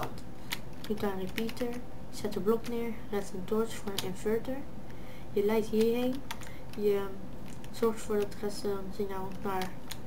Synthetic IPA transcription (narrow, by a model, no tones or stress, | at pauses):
dutaripitəɹ | sɛtəblɔknɪːɹ | rɛtəntʊɹsfʊːɹənɪnføɹtəɹ | jəlɛjtɦiːɹɦejn | jə | z̥ɔɹχtfʊːɹdɑtrɛsənsɪna | naɹ